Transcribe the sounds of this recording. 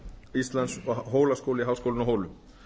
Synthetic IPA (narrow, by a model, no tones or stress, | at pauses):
ist̪lant̪sɦoːwlaskowlɪɦaːwskowlɪnɔɦoːwlʏm